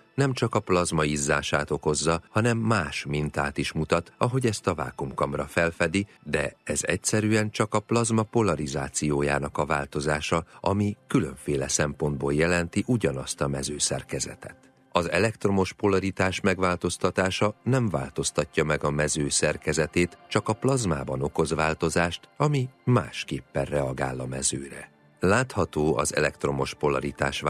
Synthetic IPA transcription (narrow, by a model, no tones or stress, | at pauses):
nɛmt͡ʃɒkɒplɒzmɒizːaːʃaːt̪o̞ko̞zːɒhɒnɛmːaːʃmint̪aːt̪iʃmut̪ɒt̪ɒɦo̞ɟɛst̪ɒva̰ːkumkɒmrɒfɛlfɛd̪i | d̪ɛɛzɛcsɛɾyɛnt͡ʃɒkɒplɒzmɒpo̞lɒɾizaːt̪sijoːja̰ːnɒkɒvaːlt̪o̞zaːʃɒɒmikylø̞̰ɱfeːlɛsɛmpo̞nd̪boːljɛlɛnt̪iʔuɟɒnɒst̪ɒmɛzøːsɛ̰rkɛzɛ̰t̪ɛt̪ | ɒzɛlɛkt̪ro̞mo̞ʃpo̞lɒɾit̪aːʃmɛɡʋaːlt̪o̞st̪ɒt̪aːʃɒnɛɱva̰ːlt̪o̞st̪ɒcːɒmɛɡɒmɛzøːsɛrkɛzɛt̪eːt̪t͡ʃɒkɒplɒzmaːbɒno̞ko̞zʋaːlt̪o̞zaːʃt̪ɒmima̰ːʃkeːpːɛrrɛɒɡa̰ːlːɒmɛzøːɾɛ̰ | laːt̪hɒt̪oːɒ̰zɛ̰lɛkt̪ro̞mo̞ʃpo̞lɒɾit̪a̰ːʃ